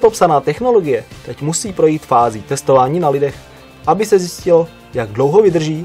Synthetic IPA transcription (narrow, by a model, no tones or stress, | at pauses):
popsanaːt̪ɛxnoloɡɪjɛt̪ɛcmusiːpɾo̞jiːt̪faːziːt̪ɛst̪o̞vaːɲiːnalɪdɛx | ʔabɪsɛzjɪscɪlo | jaɡdlo̞wɦo̞vɪd̪r̩ʒiː